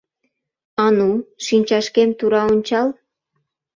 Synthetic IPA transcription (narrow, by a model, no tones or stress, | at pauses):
ɑnuʃinʲt͡ɕɑʃkemt̪uɾɑonʲt͡ɕɑl